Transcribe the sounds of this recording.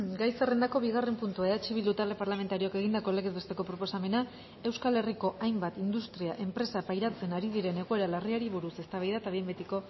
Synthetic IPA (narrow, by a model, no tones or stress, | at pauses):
ɡajsere̞nd̪ako̞βiɣare̞mpunt̪uaeðat͡ʃiβild̪ut̪alepaɾlame̞nt̪aɾioke̞ɣ̞ind̪ako̞leɣezβe̞st̪e̞ko̞pɾo̞po̞same̞na | e̞wskale̞riko̞ʔajmbat̪ind̪ust̪ɾiaʔe̞mpɾe̞sapajɾat͡se̞naɾiðiɾe̞ne̞ɣ̞oe̞ɾalariaɾiβuɾuse̞st̪aβajðat̪aβiembe̞t̪iko̞